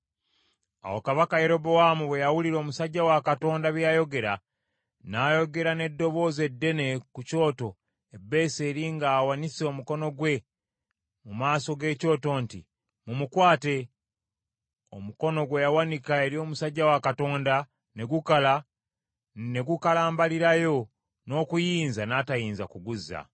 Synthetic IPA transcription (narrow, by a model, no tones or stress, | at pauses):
a̰wokaβakaje̞ɾo̞bowamuβwe̞jawuliɾo̞musaɟːawakato̞ːndaβjajo̞ɡe̞ɾa | naːjo̞ɡe̞ɾane̞dːo̞βo̞ːze̞dːe̞ne̞kuco̞ːto̞ | e̞bːe̞ːse̞ːɾiŋɡaːwaniseomuko̞no̞ɡwe̞ | mumaːso̞ɡe̞ːco̞ːto̞ːnti | mumukwaːte̞ | o̞̰muko̞no̞ɡwe̞jawanikae̞ɾio̞ːmusaɟːawakato̞ːnda | ne̞ɡukala | ne̞ɡukalaːmbaliɾajo̞ | no̞ːkujiːnzanaːtajiːnzakuɡuzːa̰